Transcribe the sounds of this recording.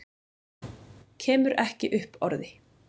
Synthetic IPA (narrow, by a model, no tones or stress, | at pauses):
cʰɛːmʏɾɛhcɪʔʏhpɔɾðɪ